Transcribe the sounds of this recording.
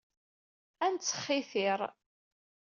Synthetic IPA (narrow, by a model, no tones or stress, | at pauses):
ænt͡sːə̥χːɪθɪɾˤ